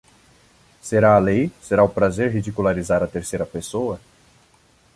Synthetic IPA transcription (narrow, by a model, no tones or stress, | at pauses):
seɾaːlejseɾaʊpɾazeɾɦid͡ʒikulaɾizaɾɐt̪eɾsejɾɐpesoɐ